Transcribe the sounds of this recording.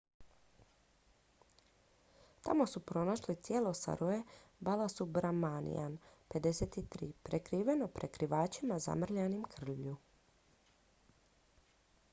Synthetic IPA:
t̪a̰mo̞supɾo̞naʃlit̪jeːlˠo̞sa̰ɾʔoebalˠasubɾamanḭja̰npe̞d̪e̞set̪it̪ɾḭːpɾekɾiːʋe̞no̞pɾʔekɾiʋaːt͡ʃimaza̰mr̩ʎanimkr̩ʎʎu

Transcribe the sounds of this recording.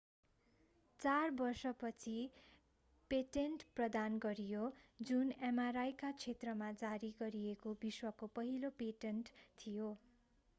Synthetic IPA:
t͡sarbʌrsʌpʌt͡sʰi | peʈenʈprʌd̪anɡʌɾijod͡zunemaɾajkat͡sʰet̪rʌmad͡zaɾiɡʌɾijekobiswʌkopʌɦilopeʈenʈt̪ʰijo

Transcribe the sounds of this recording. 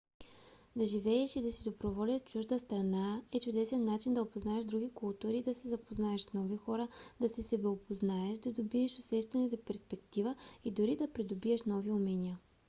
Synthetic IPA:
d̪ɐʒivɛɛʃid̪ɐsid̪obɾovɔlʲət̪t͡ʃuʒd̪əst̪ɾɐnaɛt͡ʃʊd̪ɛsɛnːat͡ʃind̪ɐopoznaɛʃd̪ɾuɡikʊlˠt̪uɾid̪ɐsɛzɐpoznaɛʃsnɔvixɔɾəd̪̥ɐsɛsɛbɛopoznaɛʃd̪ɐd̪obiɛʃʊsɛʃt̪ɐnɛzɐpɛɾspɛkt̪ivəid̪ʊɾid̪ɐpɾid̪obiɛʃnɔviʊmɛnʲiə

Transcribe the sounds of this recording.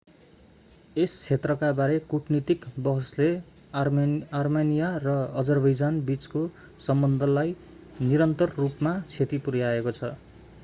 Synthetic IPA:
est͡sʰet̪rʌkabaɾekuʈʰnit̪ikbʌɦʌsle | armenijarʌʌd͡zʌrbʌjd͡zanbit͡sko | sʌmbʌnd̪ʱʌlaj | niɾʌnt̪ʌrːupmat͡sʰet̪ipuɾjaekot͡sʰʌ

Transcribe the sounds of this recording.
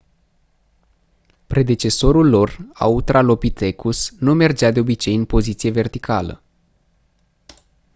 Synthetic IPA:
pɾe̞d̪e̞t͡ʃe̞so̞ɾulːo̞ra̰ut̪ɾalo̞pit̪e̞kʰusnume̞rd͡ʒad̪e̞o̞bit͡ʃe̞jɨnpo̞zit̪sije̞ve̞rt̪ikʰalə̰

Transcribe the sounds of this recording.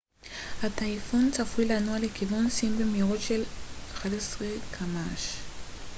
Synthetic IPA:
hat̪ajfunt͡safujlanualekivunsimbemiʁotʃelaχadesʁekʰamaʃ

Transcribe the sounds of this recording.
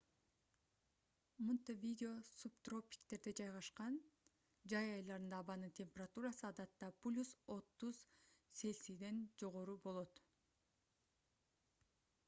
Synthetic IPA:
munt̪evʲidʲɪo̞supt̪ro̞pʲi̥kt̪e̞ɾd̪e̞d͡ʒɑjʁɑʃqɑn | d͡ʒɑjɑjlˠɑɾɯnd̪ɑːβɑnɯnt̪ʰʲe̞mʲpʲe̞rat̪uɾɑsɯɑd̪ɑt̪ːɑplʲuso̞t̪ːuz̥se̞lsid̪e̞nd͡ʒo̞ʁo̞ɾubo̞lˠo̞t̪

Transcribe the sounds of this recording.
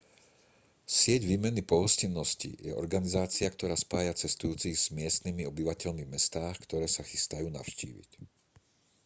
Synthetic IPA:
sɪɛɟʋiːmɛnipɔɦɔscinːɔscḭjɛ̰ʔɔ̰ɾɡanizaːt͡siakt̪ɔɾaːspaːjat͡sɛst̪ujuːt͡siɣz̥mɪɛst̪nimiɔbiʋacɛʎmivmɛst̪aːxkt̪ɔɾɛːsaxi̥st̪ajuːna̰ʊʃcḭːʋḭc

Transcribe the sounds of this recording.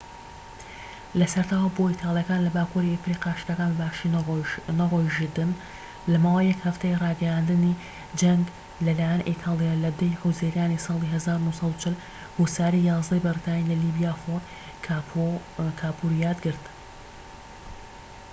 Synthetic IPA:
lɐsɐɾt̪ʰaːwaboːit̪ʰɑːlˠijɐkaːnlɐbaːkuɾiefɾiqɑːʃɾɐkaːnbbaʃinaroʒid̪ɨn | lɐmaːwejːɛkhɐft̪ejrˤɑːɡɐjaːnd̪ɨni | d͡ʒɐŋɡ | lɐlaːjɛnʔit̪ʰaːlˠijalɐd̪ɐjhɨwzeːɾjaːnisɑːlˠiɦɐzaːɾunusˤɑd̪ut͡ʃʰɪl | husaːɾijɑːzd̪ɐjbɨrit̪ʰaːnilɐlibijaːxoɾ | kʰaːpʰuɾijaːd̪ɡɨɾt̪

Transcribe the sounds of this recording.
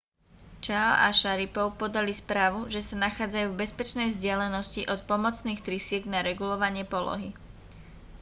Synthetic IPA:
t͡ʃaɔ̰ʔa̰ʃaɾipɔʊpɔd̪alispɾaːʋuʒɛsanaxaːd͡zajuːvbɛspɛt͡ʃnɛjvzɟɪalɛnɔsciʔɔt̪̚pɔmɔt͡sniːxt̪ɾisɪɛɡnaɾɛɡulɔʋaɲɪɛpɔlɔ̰ɦi

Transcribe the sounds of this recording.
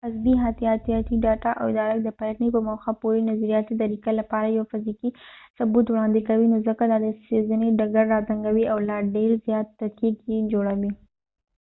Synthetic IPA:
azbiɦat̪ijɑt̪ijɑt̪iɖɑʈaʔa̰wɪd̪ɑɾak̚d̪əpalaknipəmoxapuɾinazaɾijɑt̪id̪aɾikalapɑɾajawfɪzikisʊbut̪wɽɑnd̪ɪkawinozəkad̪ɑd̪əsezaneɖaɡaɾːɑzaŋɡawiawlɑɖeɾzjɑt̪ːakiɡjed͡ʒoɽawi

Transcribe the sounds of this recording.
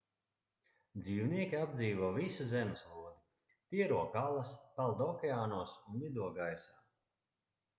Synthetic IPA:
d̪ziːwniɛkʲiabd̪ziːvuɔvisuzɛmeslˠuɔd̪i | t̪iɛɾuɔkalˠaspalˠd̪ɔkʲɛaːnuɔsunːid̪uɔɡajsaː

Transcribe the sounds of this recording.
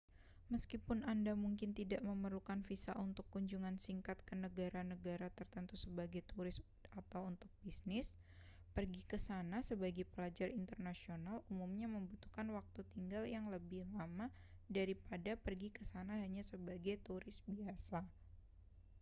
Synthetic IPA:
məskipʊnandamuŋkɪnt̪idaʔməməɾlukanfisa̰ʔunt̪ʊkːuɲd͡ʒuŋansiŋkat̪̚kənəɡaɾanəɡaɾat̪ərt̪ənt̪usəbaɡajt̪uɾɪs | at̪awunt̪ʊk̚bisnɪs | pərɡikəsanasəbaɡajpəlad͡ʒarint̪ərnasionalumumɲaməmbut̪ukanwak̚t̪ut̪iŋɡaljaŋləbɪhlama | daɾipadapərɡikəsanaɦaɲasəbaɡajt̪uɾɪsbiasa

